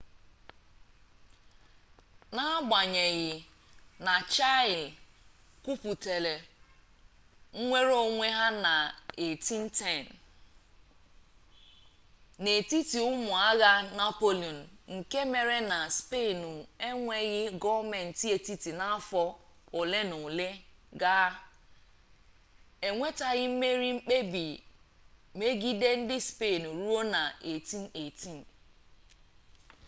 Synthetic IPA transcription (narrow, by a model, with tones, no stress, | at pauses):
na˦ɡ͡ba˨ɲe˨ɣɪ˨ | na˨t͡ʃa˦ɪ˨l | ku˦pu˨te˨le˨ | ŋ̩˦ŋʷe˦ɾo˦ŋʷe˦ɦa˦na˨e˨ti˦n̩˦tɛ˦˨n˨ | ne˨ti˦ti˨ʊ˦mʊ˨a˦ɣa˦na˦po˦li˨ɔ˨n̩˨ŋ̩˨ke˦me˨ɾe˦na˨spe˦˨nu˨e˦ŋʷe˦ɣɪ˦ɡɔ˦me˨n̩˨ti˦e˨ti˦ti˨na˦a˦fɔ˦ʊ˨le˦nʊ˨le˦ɡa˦ | e˨ŋʷe˦ta˦ɣɪ˦m̩˦me˦ɾi˦ŋ͡m̩˦k͡pe˦bi˨ | me˦ɡi˦de˦n̩˦dɪ˦spe˦˨nu˨ɾu˦o˦na˨e˨ti˦n̩˦e˨ti˦n̩˨